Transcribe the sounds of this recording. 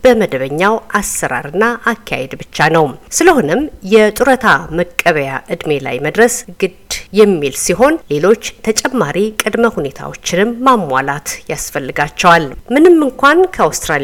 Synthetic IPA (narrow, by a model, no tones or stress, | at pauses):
b̥əməd̪əβəɲːawʔasːəɾa̰ɾɨnːaʔakʰːa̰hed̪bɨt͡ʃːanəwsɨləho̞nɨmjɛt̪ʼuɾət̪ʰaməkʼːəβəjaʔɨd̪me̞la̰jməd̪ɾəsɡɨd̪jɛmːilsiɦo̞nle̞lo̞t͡ʃːt̪ʰət͡ʃʼɛmːaɾikʼɨd̪məhune̞t̪ʰa̰wo̞t͡ʃːɪnɨmːamːʷa̰lat̪jasfəlːɨɡat͡ʃːɛwalmɨnɨmːɨŋkʷankʰəawst̪ɾal